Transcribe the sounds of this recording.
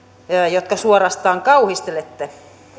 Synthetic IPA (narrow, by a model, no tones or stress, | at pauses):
jot̪kɑsuorɑst̪ɑːŋkɑuhist̪elet̪ːe